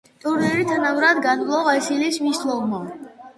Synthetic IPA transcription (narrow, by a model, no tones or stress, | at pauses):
t̪ʼuɾnɛɾit̪ʰanamɾad̪ɡanʼlˠɔvasilismislɔvma